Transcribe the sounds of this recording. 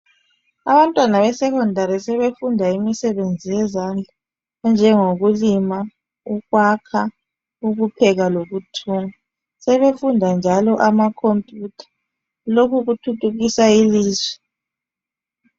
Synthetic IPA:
aβantʼwanaβɛsɛkʰɔndʱaɾisɛβefundʱaimisɛβend͡zʱijɛzand͡ɮʱa | nd͡ʒʱɛŋoɣulima | uɣwakʰa | uɣupʰɛɣaloɣutʰuːŋa | sɛβefundʱand͡ʒʱalɔʔamakʰompʼjutʰḁ | lokʰuɣutʰutʰʼuɣisailiːzwɛ̥

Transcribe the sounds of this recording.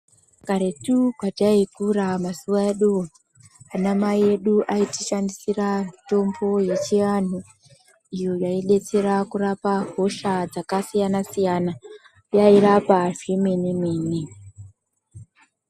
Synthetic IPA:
kaɾe̞tukwataikuramasuwaeɗuo | anamaie̞ɗuʔaitiʃandisirato̞mbo̞je̞t͡ʃian̤u | ijo̞jaiɗe̞t͡se̞ɾakurapaɦo̞ʃad͡zakasijanasijana | jaiɾapaʐe̞menemeːni

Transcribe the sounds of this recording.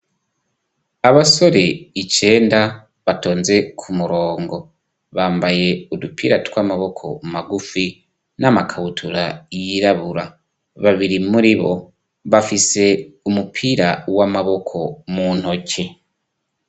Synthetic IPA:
aβaso̞ɾe̞it͡ʃe̞ːnda | βato̞ːnze̞kʰumuɾo̞ːŋɡo̞ | βaːmbaje̞udupʰiːɾatwaːmaβo̞kʰo̞̰maɡufi | namakʰaβutʰuɾajiɾaβuɾa | βaβiɾimuɾiβo̞̰ | βafise̞umupʰiɾawamaβo̞kʰo̞muːn̥ho̞cʰe̞

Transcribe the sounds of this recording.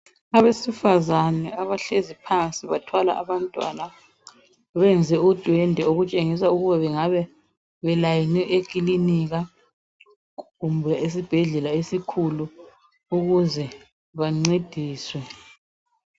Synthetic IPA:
aβesifazanɛaβaɬezipʰant͡sʼiβatʰwala̰ʔaβantʼwa̰na | βɛnd͡zʱɛud̥ʱwɛndʱɛoɣut͡ʃʼeŋis̬auɣuβaβɛŋaβɛ | βɛlajinɛʔekʼiliniɣa | ɣumbʱɛes̬ib̥ʱɛɮɛlaesikʰulu | uɣuzɛ | βaŋ͡ǀed̥ʱiːswɛ

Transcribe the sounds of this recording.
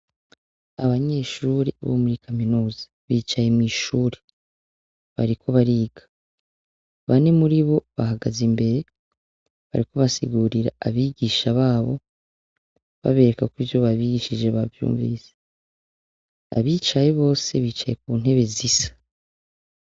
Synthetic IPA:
aβaɲe̞ːʃuːɾḛβo̰muɾikʰaminuːza | βiːt͡ʃajemŋiːʃuːɾe | βa̰ɾikʰo̞βaɾiːɡ̥ḁ | βane̞muɾiβo̞βaɦaɡazimbe̞ɾe̞ | βa̰ɾiko̞βasḭɡuːɾiɾa̰aβiːɡiːʃaβaːβo̞̰ | βa̰βe̞ɾekakwivjo̞βaβiːɡiʃid͡ʒe̞βavjṵːɱvḭːse̥ | a̰βiːt͡ʃaje̞βo̞ːse̞βiːt͡ʃaje̞k̚uːn̥ɦe̞βe̞zisḁ

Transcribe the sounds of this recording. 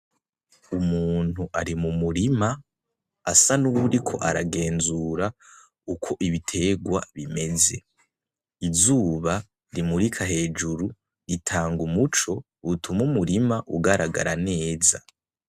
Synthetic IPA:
umuːn̥huʔaɾimumuɾima | asanuβuɾikʰo̞ʔaɾaɡe̞ːnzuːɾa | ukʰo̞ʔiβitʰe̞ɡwaβime̞ze̞̰ | izuːβa | ɾimuɾikʰaɦe̞ːd͡ʒuɾu | ɾitʰaːŋɡumut͡ʃo̞ | utʰumumuɾimaʔuɡaɾaɡa̰ɾane̞ːza

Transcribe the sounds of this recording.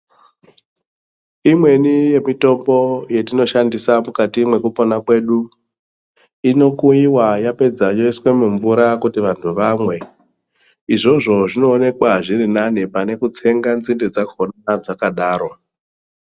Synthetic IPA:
imwe̞nije̞mito̞mbo̞je̞tino̞ʃandisamukatimwe̞kupo̞nakwe̞ːɗu | ino̞kuiwajape̞d͡zajo̞iswe̞muɱvuɾakutiʋantʰuʋamwe̞ | iʐo̞ʐo̞ʐino̞ːne̞kwaʐiɾinanipane̞kut͡se̞ŋɡanzinded͡zakonanad͡zakaɗaːɾo̞

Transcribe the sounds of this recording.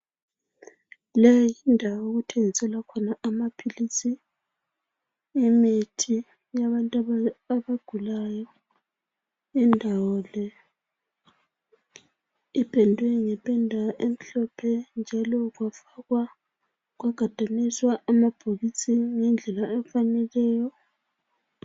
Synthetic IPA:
lɛjjindʱawɔuɣutʰeŋisɛlakʰɔnaamapʰilisi | mitʰi | jaβantʼaβaɡ̥ʱulajɔ | indʱawɔlɛ | ipʰʼɛndʱwɛŋɛpʰʼɛndʱaʔem̩ɬɔpʰɛnd͡ʒʱalɔɣwafaɣwa | ɣwaɡ̥ʱad̥ʱaniswaʔːmab̥ʱoɣisiŋɛnd͡ɮʱɛlaɛɱfanɛlɛːjɔ

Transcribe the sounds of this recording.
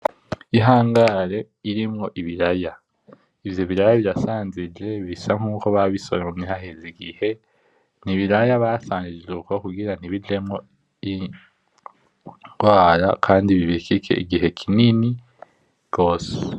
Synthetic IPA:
iɦaːŋɡaɾe̞ | iɾimŋo̞ʔiβiɾaja | ivjo̞βiɾajaβiɾasaːnzid͡ʒe̞βisaŋ̥uːkoβaβiso̞̰ɾeumŋiɦaheziɡihe̞ | niβiɾajaβasaːnziukokuɡiɾaniβid͡ʒe̞mŋo̞ | i | ŋɡwaːɾa̰kʰaːndiβiβikikʰe̞̰ʔḭɡiɦe̞kʰinini | ɡ̥o̞ːse

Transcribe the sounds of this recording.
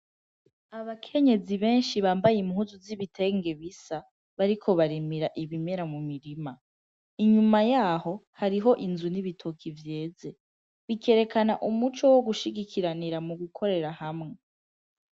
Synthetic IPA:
aβakʰe̞ɲe̞ziβe̞ːnʃiβaːmbajimhuzuziβitʰe̞ːŋɡe̞βisa | βaɾikʰo̞βaɾimiɾaʔiβime̞ɾamumiɾima | iɲumajaːho̞haɾiɦo̞ʔinzuniβitʰokʰivje̞ːd͡ze̞ | βikʰe̞ɾe̞kʰanaʔumut͡ʃo̞wo̞ɡuʃiɡikʰiɾaniɾamuɡukʰo̞ɾe̞ɾahamŋe̞

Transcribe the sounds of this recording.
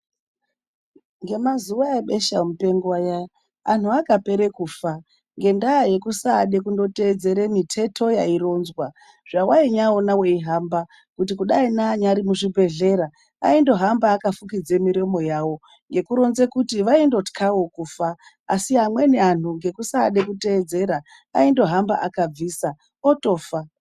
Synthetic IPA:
ŋɡe̞mazuwaeɓe̞ʃam̩upe̞ŋɡuwaja | a̰n̤uakape̞ɾe̞kuːfa | ŋɡe̞ndaaje̞kusaːɗekundo̞te̞d͡ze̞ɾe̞mitʰe̞tʰo̞jaiɾo̞nzwa | ʐ̥awaiɲaonawe̞iɦamba | kutikuɗainaːɲaɾimuʐibʱe̞ɮe̞ɾa | a̰indo̞ɦambaːkafukid͡ze̞miɾo̞mo̞jawo̞ | ŋɡe̞kuɾo̞nze̞kutiʋaindo̞tkʰawo̞kuːfaː | siɦamwe̞nean̤uŋɡe̞kusaɗe̞kute̞ːd͡ze̞ɾa | aindo̞ɦamba̰ʔakab͡viːsa | oto̞ːfa

